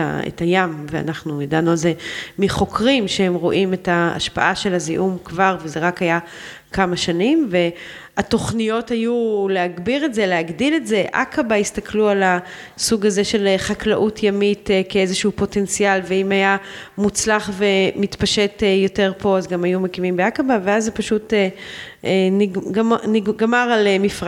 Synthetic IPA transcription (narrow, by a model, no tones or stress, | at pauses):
ḛtajamvea̰naχnujadanualzemiχo̞kʰʁimʃehemʁoʔimetaa̰ʃpaʔaʃe̞lhaziʔumkvaʁvezeʁakaja | kʰamaʃanimve̞ | ato̞χnijo̞thajulehaɡbiʁetze̞lehaɡdiletze̞ʔa̰kabaistakʰluala | suɡaze̞ʃe̞lχaklaʔutʰjamitkeezeʃuupo̞te̞nt͡sialveimajamut͡slaχve̞mitpaʃe̞tejo̞te̞ʁpʰo̞azɡamajumekimimbeakabaveazːepaʃute | niniɡɡmaʁalemifʁ